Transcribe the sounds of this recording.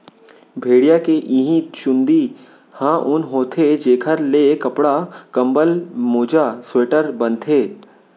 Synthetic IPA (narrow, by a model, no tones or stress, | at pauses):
bʱeːɽijakeʔiɦĩt͡ʃʊ̃nd̪i | hãːʔʊnɦoːt̪ʰed͡ʒeːkʰəɾlekɐpɽakɐ̃mbəlmoːd͡ʒasweːʈəɾbə̃nt̪ʰeː